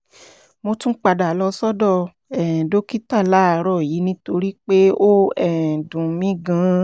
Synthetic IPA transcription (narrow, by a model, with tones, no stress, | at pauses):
mo˧tũ˦k͡pa˧da˨lɔ˧sɔ˦dɔ˦˨ | ɛ˨do˦ki˦ta˦˨la˦a˧ɾɔ˦˨ji˨˦nĩ˧˦to˧ɾi˦k͡pe˦o˦ɛ˦˨dũ˨mĩ˦ɡã˨˦